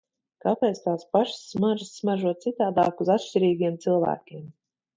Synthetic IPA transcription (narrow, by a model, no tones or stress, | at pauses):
kapʲɛːt̪st̪aːspaʃsːmaʒisːmaʒuɔt̪t̪sit̪aːd̪aːkuzat̪ʃʲt͡ʃiɾiːɡʲiɛmt̪silˠvæ̰ːkʲiɛm